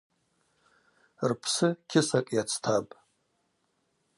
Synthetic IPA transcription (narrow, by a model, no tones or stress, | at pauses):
rpʰsɨkʲʰɪsakʼjat͡sʰtʰapʼ